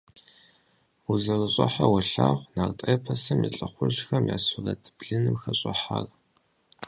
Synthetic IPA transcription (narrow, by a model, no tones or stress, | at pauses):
uzɐrɨɕʼɐħawʊɬaːʁʷnaːrtʼeːpʰɐsɨmiɬʼɐχʷʊʒxɐmja̰ːsʊrɐ̰dʰbɮɨnɨmxɐɕʼɔħaːr